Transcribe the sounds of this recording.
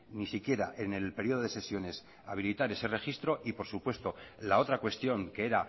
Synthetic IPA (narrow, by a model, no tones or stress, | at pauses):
nisikje̞ɾaʔe̞ne̞lpe̞ɾjo̞ðo̞ðe̞se̞sjo̞ne̞s | aβilit̪aɾe̞se̞re̞xist̪ɾo̞ʔipo̞ɾsupwe̞st̪o̞lao̞t̪ɾakwe̞st̪jo̞ŋke̞e̞ɾa